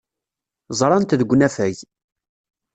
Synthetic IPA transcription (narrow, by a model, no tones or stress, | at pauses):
zˤɾˤɑnt̪ðəɡʷːnæfæʝ